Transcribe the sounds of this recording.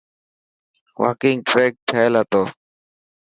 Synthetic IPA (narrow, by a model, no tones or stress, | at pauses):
wa̰ːkɪŋɡ̚ʈɾeːk̚ʈʰaelaːt̪oː